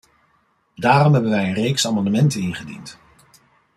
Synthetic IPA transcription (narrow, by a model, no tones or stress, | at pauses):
daːrɔmɦɛbənʋɛjənrejksaːmɑndəmɛntənɪnχədḭnt